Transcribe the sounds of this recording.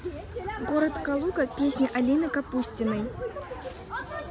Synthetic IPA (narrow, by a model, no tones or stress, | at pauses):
ɡoɾət̪kɐlˠukəpʲesʲnʲiʔɐlʲinɨkɐpusʲtʲɪnəj